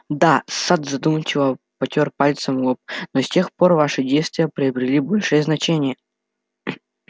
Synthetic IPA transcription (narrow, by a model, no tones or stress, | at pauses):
d̪asad̪zɐd̪umət͡ɕɪvə | pɐtʲorpalʲt̪səmɡop̚nosʲtʲe̞xpo̞rvaʂɨdʲejst̪vʲɪjəpɾʲɪɐbɾʲɪlʲibo̞lʲʂɨjəznɐt͡ɕenʲɪjə